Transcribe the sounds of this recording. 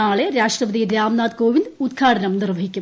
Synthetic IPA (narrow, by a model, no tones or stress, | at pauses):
aːɭeɾaːʂʈrɐbɐd̪iɾaːmnaːd̪koːʋind̪ud̪ɡʰʱaːɽʰɐnɐmnirʋɐɦikʲːu